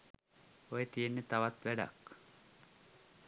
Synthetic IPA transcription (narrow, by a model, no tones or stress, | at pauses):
ojet̪ijenːet̪aʋat̪ʋæɖa̰k